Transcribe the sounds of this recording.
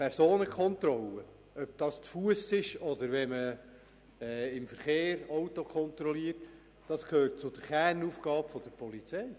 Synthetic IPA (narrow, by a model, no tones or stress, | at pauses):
pʰɛɾsoːnəkʰχɔnt̪ɾɔlə | œb̥̚d̥ɑːst͡sfuəsɪʃɔd̪əɾʋɛmə | ɛɪmfəɾχeːɾɔwtɔkʰχɔnt̪ɾɔliːəɾt | d̥ɑskʰhøːrt̚t͡sʊd̥əɾχærnuːfɡ̥ɑːpfɔd̥əɾpɔlit͡sɛɪ